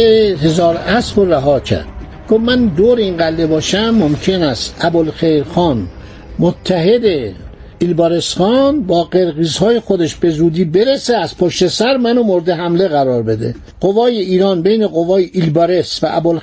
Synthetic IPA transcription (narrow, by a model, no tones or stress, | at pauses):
eɦe̞zɒːɾæsboɾæɦɒːcʰæ̰ɾd̪̥̚ | ɡ̥ovmænd̪oːɾeinɡælːebɒːʃæmːomcʰenæst̪æbolxejɾxɒːn | mot̪ʰːæɦe̞d̪e | ilbɒːɾesxɒːnbɒːɢeɾɣiːzhɒːjexod̪eʃbe̞zuːd̪iːbeɾeseæz̥pʰoʃt̪e̞sæɾmænomoɾd̪eɦæmle̞ɣæɾɒːɾbe̞d̪ḛ | ɢ̥ovɒːjeiːɾɒːnbejne̞ɣovɒːjeʔilbɒːɾe̞svæʔæbol